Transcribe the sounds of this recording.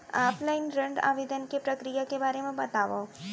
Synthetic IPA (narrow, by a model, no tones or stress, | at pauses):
aːplaɪnɾɐ̃ɳɖa̰ːʋeːd̪ənkepɾɐkɾijakebaːɾemẽbɐt̪aːʋa̰